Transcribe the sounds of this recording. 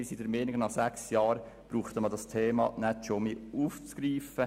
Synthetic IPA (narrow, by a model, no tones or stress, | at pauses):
ɪsidəɾmeːnɪɡnɑχsæksjɑːɾ | b̥ɾuːχtəmədɑstʰeːmɑ̰nɛtʃomeuːft͡sɡ̥ɾiːfə